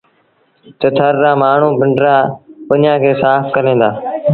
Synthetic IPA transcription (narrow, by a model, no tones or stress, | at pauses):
t̪ət̪ʰəɾːaːmaːɳ̤ũːbʱɪɳɖɾaːpənjãːkʰeːsaːfkəɾẽːd̪aː